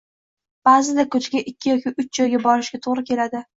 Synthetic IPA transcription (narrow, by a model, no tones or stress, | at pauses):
b̥aːzɪd̪akɵt͡ʃɡʲaʔɪkʲʰːɪjɒkʲʰiʔʊt͡ʃd͡ʒɒjɡʲabɒɾɪʃɡʲat̪ʰoʁɾɪkʲʰe̞lad̪ɪ